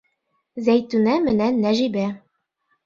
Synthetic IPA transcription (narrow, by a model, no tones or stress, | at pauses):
zæjt̪ʉnæmɘ̆nænːæʒibæ